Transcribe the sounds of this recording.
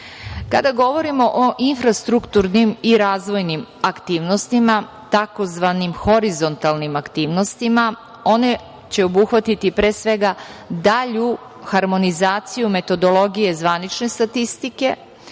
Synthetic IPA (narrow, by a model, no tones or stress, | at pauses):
kad̪aɡo̞ʋo̞ɾimo̞ʔoʔinfɾast̪ɾukt̪uɾnimiɾaːzʋo̞jnimakt̪iːʋno̞st̪ima | t̪ako̞zʋanimxo̞ɾizo̞nt̪alˠnimakt̪iːʋno̞st̪ima | o̞ne̞ | t͡ɕe̞obuxʋat̪it̪ipɾeːsʋe̞ɡad̪aʎu | xaɾmo̞nizaːt̪sijume̞t̪o̞d̪o̞lo̞ɡije̞zʋanit͡ʃne̞st̪at̪ist̪ike̞